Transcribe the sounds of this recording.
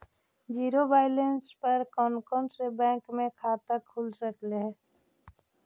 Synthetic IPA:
d͡ʒiːɾobaːɪlenspəɾkɔːnkɔnsebɛ̃ːkmẽkʰaːt̪əkʰulsəkleɦ

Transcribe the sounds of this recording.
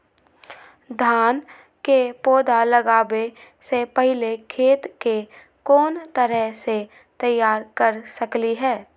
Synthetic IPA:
d̪ʱaːn | kepoːd̪ʱaləɡaːwe | sepəɦɪlekʰeːt̪ke | kɔːnt̪əɾəɦse | t̪əjːaːɾkəɾsəkliɦɛː

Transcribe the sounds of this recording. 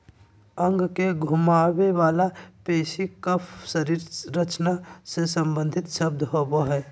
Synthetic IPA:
əŋɡkeɡʱʊmaweʋaːlapeːsikəpʰsəɾiːɾɾət͡ʃnasesə̃mbə̃nd̪ʱɪt̪ʃəb̚d̪ʱɦoboɦɛː

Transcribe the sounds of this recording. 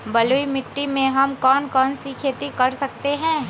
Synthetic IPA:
bɐluimɪʈːimẽɦɐmkɔːnkɔːnsikʰeːt̪ikɐɾsɐk̚t̪eɦɛ̃ː

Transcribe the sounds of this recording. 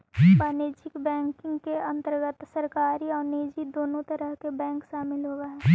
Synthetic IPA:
d͡ʒpaːneːd͡ʒɪkbɛ̃ːŋkɪ̃ŋɡkeɐ̃nt̪əɾɡət̪səɾkaːɾiɔːɾneːd͡ʒid̪oːnõt̪ɐɾəɦkebɛ̃ːŋkʃaːmɪlɦoːɡaɦɛːi

